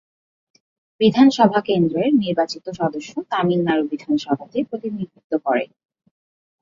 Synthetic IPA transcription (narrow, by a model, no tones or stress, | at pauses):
bid̪ʱanʃɔbʱakend̪ɾeɾniɾbat͡ɕit̪oʃɔd̪oʃːot̪amilːaɾubid̪ʱanʃɔbʱat̪epɾot̪inik̪it̪ːokɔɾḛ